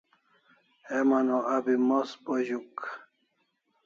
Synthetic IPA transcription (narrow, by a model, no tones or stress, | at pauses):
emanoabimospoʑuk